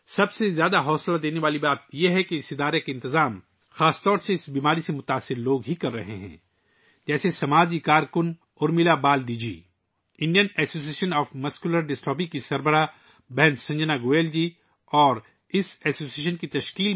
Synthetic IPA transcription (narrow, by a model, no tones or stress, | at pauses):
sɐbsezjaːd̪aɦɔːslad̪eːneʋaːlibaːt̪jeɦɛkeɪsɪd̪aːɾekeɪ̃nt̪ɪzaːm | xaːst̪ɔːɾseɪsbiːmaːɾisemʊt̪aːsːɪɾloːɡɦikɐɾːɐɦḛɦɛ̰̃ː | d͡ʒɛːsesɐmaːd͡ʒikaːɾkʊn | ʊɾmilabaːld̪id͡ʒḭː | ɪ̃nɖijənɛːsoːs̬ieːʃənɔːfmɐskjuləɾɖɪsʈɔːp̬ikisɐɾbəɾa | bɛːnsɐ̃ɲd͡ʒənaɡoːeːld͡ʒi | ɔːɾ | ɪsɛːsoːsieːʃənkit̪ɐʃkiːl